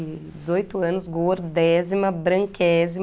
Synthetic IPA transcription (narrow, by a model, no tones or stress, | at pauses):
d͡ʒɪzojt̪ʊɐ̃nʊzɡoɾd̪ɛzimɐbɾɐ̃ŋkɛzi